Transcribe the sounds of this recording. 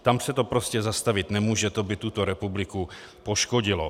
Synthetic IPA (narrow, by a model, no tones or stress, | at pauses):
t̪amsɛt̪o̞pɾoscɛzast̪avɪt̪nɛmuːʒɛt̪obɪt̪ut̪oɾɛpublɪku | po̞ʃkoɟɪlo